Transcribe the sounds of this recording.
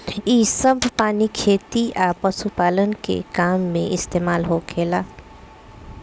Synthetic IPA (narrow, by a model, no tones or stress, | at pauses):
iːsəbʱpaːnikʰeːt̪iʔaːpəsupaːlənkḛkaːmːẽʔɪst̪eːmaːlɦoːkʰeːlaː